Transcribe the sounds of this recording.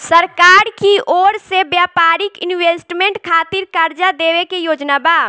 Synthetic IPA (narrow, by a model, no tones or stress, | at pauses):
səɾkaːɾkiʔɔːɾsebjaːpaːɾɪkɪnʋeːsʈmẽɳʈkʰaːt̪ɪɾkaɾd͡ʒad̪eːʋekejoːd͡ʒnabaː